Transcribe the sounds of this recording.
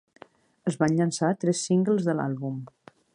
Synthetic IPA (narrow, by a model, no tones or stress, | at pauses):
əzβanʎənsat̪ɾɛsːiŋɡəlˠzðəla̰lˠβum